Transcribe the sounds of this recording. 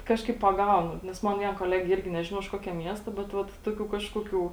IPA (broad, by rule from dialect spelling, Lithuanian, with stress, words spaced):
ˈkɑːʃkɐɪp pɐˈɡɐʊnʊ nʲɛs ˈmɐn ˈʋʲiɛn koːˈlʲæːɡʲeː ˈɪrʲɡʲɪ ˈnʲæːʒʲɪnɐʊ ɪʃ ˈkuɔkʲɛ ˈmʲiɛstɐ bʲɛt ˈʋɐt ˈtuɔˌkʲuː ˈkɑːʃkuɔˌkʲuː